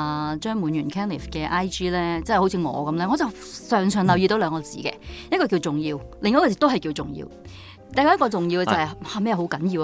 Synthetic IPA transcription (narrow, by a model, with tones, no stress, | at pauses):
t͡ʃœː˥ŋmuː˨˧˥njyː˨˩nkʰɛː˥nlḭ˨˩fkɛː˧ʔaː˥jt͡ʃiː˥lɛː˥t͡sɛ˥˩˨ho˨˥t͡sʰiː˨˧ŋɔ̰ː˨˧kɐ˨˥mlɛː˥ŋɔː˨˧t͡sɐ˨w | sœː˨˩ŋsœː˨˩ŋlɐ˨wji˧t̪o˨˥wlœː˨˧ŋkɔː˧t͡sḭː˨˥kɛ̰ː˧jɐ˥t̚kɔː˧k̬i˧wt͡sʊ˨ŋjiː˧wlɪ˨ŋːɔː˧˥kɔː˧˩t͡siː˨˥t̪o˥wɦɐ˨jkiː˧wt͡sʊ˨˩ŋjḭː˧w | t̪a˨jkːɔ˧˦jɐ˥kɔ˧t͡sʊ˨ŋji˧wɛ˧t͡sɐ˨hɐ˨jaː˧mɛː˥jɛ˨˩ɦo˨˥wkɐ˨˥njiː˧w